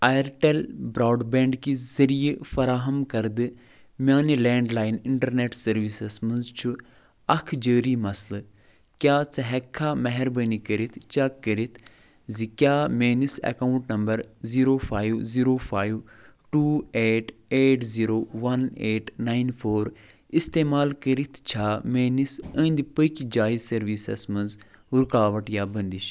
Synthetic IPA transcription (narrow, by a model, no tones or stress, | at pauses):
ajɾʈelbɾaːɖbẽːɳɖkizɐɾijefɐɾaːɦɐmkɐɾd̪ɨ | mʲaːnilẽːɳɖlaːjniɳʈɐɾneːʈsɐɾʋisɐsmɐnzt͡ʃʰu | ɐkʰd͡ʒəːɾimɐslɨ | kʲjaːt͡sɐɦɛkʰːamɐɦɛɾbənikəɾit̪ʰt͡ʃɐkːəɾit̪ʰ | zikjaːmeːnisɛ̰kaːuɳʈnɐmbɐɾziːɾoːfʰaːjʋziːɾoːfʰaːiʋʈuːeːʈeːʈziːɾoːʋɐneːʈnaːinfʰoːɾ | ist̪eːmaːlkəɾit̪ʰt͡ʃʰaːmeːnisə̃nd̪ipəkʲd͡ʒaːizsɐɾʋiːsɐ̰smɐnzuɾkaːʋɐʈjaːbənd̪iʃ